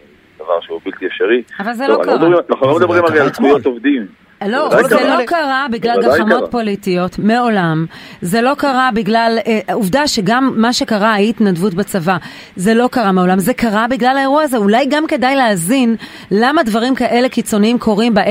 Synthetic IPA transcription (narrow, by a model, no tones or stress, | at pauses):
d̪ɐva̰ʁʃeubilt̪ieʃeʁiavalzeloaʁnaχulomed̪ɐbʁimalealsvujot̪ovd̪im | loelokaʁabiɡlalɡamo̞tpo̞litijo̞tmeo̞lamze̞lo̞kaʁabiɡlaleʔuvdaʃe̞ɡamːaʃe̞kaʁaajit̪nadvutbat͡sava | ze̞lo̞kaʁame̞o̞lamze̞kaʁabiɡlalaeʁuaaze̞ulajɡamke̞dajleazin | lamadvaʁimkaʔe̞le̞kit͡so̞niimkʰo̞ʁimba